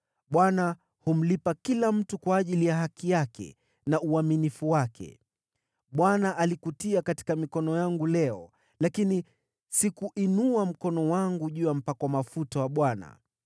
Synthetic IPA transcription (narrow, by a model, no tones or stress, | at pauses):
ɓwana | hum̩lipakilam̩tukwaːʄilijaɦakijakʰɛ̰ | nauaminifuwakʰɛ̰ | ɓwanaʔalikutiakati̥kamikɔnɔjaŋɡulɛɔ̰ | lakini | sikuʔinuam̩kɔnɔwaŋɡuʄujam̩pakwamafutawaɓwana̰